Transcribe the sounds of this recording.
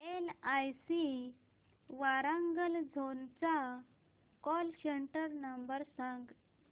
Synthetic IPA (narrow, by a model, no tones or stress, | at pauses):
elajsi | ʋaɾãŋɡəld͡zʱont͡sa | kɔlɕəɳʈəɾnəmbəɾsãŋɡ